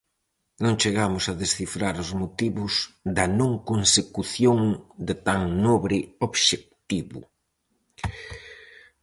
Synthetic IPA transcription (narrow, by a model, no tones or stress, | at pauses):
nõŋt͡ʃeɣamʊsɐðesθifɾaɾʊzmot̪iβʊsd̪ɐnõŋkonsekuθjoŋd̪ɪt̪aŋnoβɾɪoβʃek̚t̪iβʊ̰